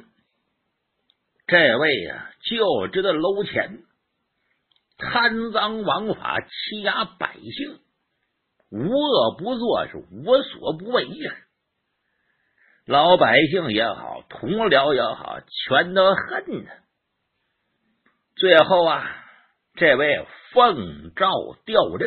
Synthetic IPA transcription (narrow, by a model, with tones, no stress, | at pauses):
ʈ͡ʂɤ˥˧ɪwe˥˧˩ɪ̰˩t͡ɕjo˥˩ʊʈ͡ʂɻ̩˥d̪ə˨lo˥ʊt͡ɕʰjɛ̰˧˥n | t̪ʰa˥nt͡sɑ˥ŋwɑ˧˥ŋfa̰˨˩t͡ɕʰi˥ja˥pa̰˨˩ɪɕi˥˩ŋ | u˧˥ɤ˥˩pu˧˥t͡swɔ˥˧ʂɻ̩˥˩u˧˥swɔ˨˩˥pu˧˥we˥˩ɪi˥˩ | lɑ˧˥ʊpa˨˩ɪɕi˥˩ŋjɛ˧˥xɑ̰˨˩ʊt̪ʰʊ˧˥ŋljɑ˧˥ʊjɛ˧˥xɑ̰˨˩ʊt͡ɕʰɥɛ˧˥nt̪ə˧˥xə˥˩nə˨ | t͡swe˥˧ɪxo˥˩ʊɐ̰˩ | ʈ͡ʂɤ˥˧we˥˩ɪfɤ˥˧ŋʈ͡ʂɑ˥˧ʊt̪jɑ˥˧ʊʈ͡ʂə˥˩